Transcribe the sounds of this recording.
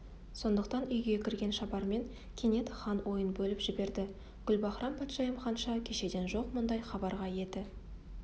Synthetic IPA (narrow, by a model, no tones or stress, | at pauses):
so̞nd̪əq̚t̪ɑnʏjɡʲe̞kʲʰɪɾɡʲe̞nʃɑbɑɾme̞ŋ | kʲʰe̞ne̞t̪χɑnwo̞jənbɵlɪpʒɪbe̞ɾd̪ɪ | ɡ̥ʲʏlbɑχɾɑmpʰɑt̪ʃɑjəmχɑnʃɑkʲʰe̞ʃe̞d̪e̞nʒo̞qmʊnd̪ɑjχɑbɑɾʁɑje̞d̪ɪ